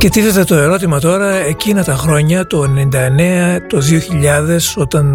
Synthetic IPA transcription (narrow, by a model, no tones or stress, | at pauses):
ce̞t̪iθet̪e̞t̪o̞e̞ɾo̞t̪̬imɐt̪o̞ɾɐe̞cinɐt̪ɐxɾo̞ɲɐt̪o̞enenind̪ɐene̞ɐt̪o̞ðio̞çiʎɐðe̞so̞t̪ɐn